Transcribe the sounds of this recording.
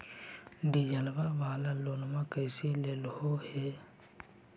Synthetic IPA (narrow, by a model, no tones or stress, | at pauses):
ɖijəlʋaʋaːlaːloːnmãːkəjselelhoheː